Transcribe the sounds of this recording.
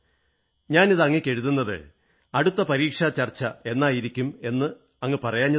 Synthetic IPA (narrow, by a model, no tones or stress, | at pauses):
ɲaːniðɨɐŋːekʲːe̞ɻuðunːɐðɨ̰ | ɐɽut̪ːɐpɐɾiːkʂɐt͡ɕɐrt͡ɕːɐe̞nːaːjiɾikʲːume̞nːɨ | ɐŋːɐpɐrɐjaːɲːɐ